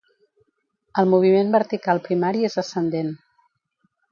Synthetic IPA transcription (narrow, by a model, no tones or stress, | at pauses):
əlˠmuβ̞imembəɾt̪ikalˠpɾimaɾiezðəsənd̪en